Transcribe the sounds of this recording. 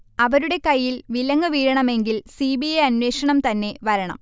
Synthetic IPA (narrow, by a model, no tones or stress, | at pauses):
ɐʋɐɾuɽe̞kɐjːilʋilɐŋːɐʋiːɻɐɳɐme̞ŋɡilsiːbiɐjɐnweːʂɐɳɐmt̪ɐnːe̞ʋɐɾɐɳɐ̰m